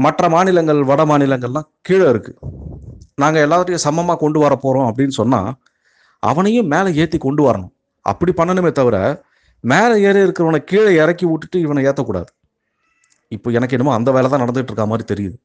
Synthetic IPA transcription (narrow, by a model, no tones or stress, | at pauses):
mɐʈrɐmaːnɪlɐŋɡɐɭʋɐɽɐmaːnɪlɐŋɡɐɭlãːkiːɻɐɪɾɯkːɯ | naːŋɡɐɛlːaːðɯʈːɐjɐ̃sɐmɐmaːkɔɳɖɯʋɐɾɐpːoːɾõːɐpːɐɽɪnːɯsɔnːa̰ː | ʔɐ̰ʋɐnɐjʊ̃meːlɐeːt̪ːikɔɳɖɯʋɐɾɐɳʊ̰̃ | ʔɐ̰pːɐɽipɐɳːɐnɯmeːt̪ɐʋɪɾɐ̰ | meːlɐeːɾeɪɾɯkːɪɾɐʋɐɳɐkiːɻɐɛɾɐkːiuːʈːɯʈːɯɪʋɐneːt̪ːɐkːuːɽa̰ːðɯ | ɪpːoːɛnɐk̬ːɯɛnːɐmõːɐnd̪ɐʋeːlɛt̪ãːnɐɽɐnd̪ɯkɪʈːɾɯkːaːmaːd̪ɾit̪ɛɾɪjɐðɯ